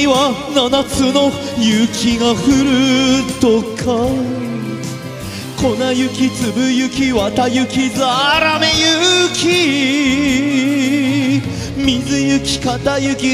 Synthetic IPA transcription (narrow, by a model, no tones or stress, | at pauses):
βananat͡sɨno̞ | jɯkʲʰiɡaɸɯ̟ɾɯ̟t̪okʰa | kʰonajɯ̟kʲit͡sɨbɯjɯ̟kʲiβat̪ajɯ̟kʲizɨaɾamejɯkʲi | mʲizɨjɯkʲi̥kat̪ajɯkʲi